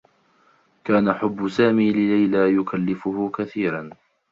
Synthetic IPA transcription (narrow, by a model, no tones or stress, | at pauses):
kaːnaħʊbːʊsaːmiːlɪlajlaːjʊkalːɪfʊhʊkaθiːɾˤɑn